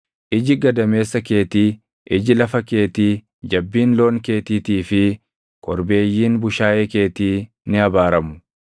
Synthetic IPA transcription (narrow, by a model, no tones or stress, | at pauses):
ʔɪd͡ʒɪɡɐd̪ɐme̞ːsːɐkeːt̪iː | ʔɪd͡ʒɪlɐfɐke̞ːt̪iː | d͡ʒɐbːiːnlo̞ːŋke̞ːt̪iːt̪iːfɪ | kʰʼɔɾbe̞ːjːiːnbʊʃaːʔeːke̞ːt̪iː | nɪɐbaːɾɐmʊ̥